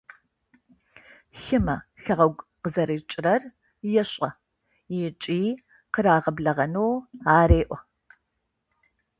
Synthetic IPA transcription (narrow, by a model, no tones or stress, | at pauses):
xɨmɐxɐʁɐɡʷqəzɐɾɨt͡ʃʼɪrɐr | jɛɕʼɐ | jɪt͡ʃʼiː | qəɾaːʁɐbɮɐʁɐnowaːɾeːʔʷɔ